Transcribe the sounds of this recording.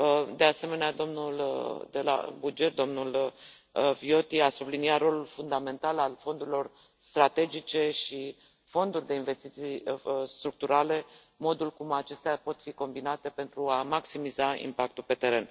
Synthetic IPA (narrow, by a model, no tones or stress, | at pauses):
əd̪e̞ase̞me̞nead̪o̞mnuld̪e̞la̰bud͡ʒe̞t̪̚d̪o̞mnul | vio̞t̪iasubliniat̪ro̞lulfund̪ame̞nt̪alalfo̞nd̪uɾilo̞r | st̪ɾat̪e̞d͡ʒit͡ʃe̞ʃi | fo̞nd̪urʲd̪e̞inve̞st̪it̪sijst̪ɾuk̚t̪uɾale̞ | mo̞d̪ulkumat͡ʃe̞st̪eapo̞t̪fiko̞mbinat̪e̞pe̞nt̪ɾuamaksimizaḭmpak̚t̪ulpe̞t̪e̞ɾe̞n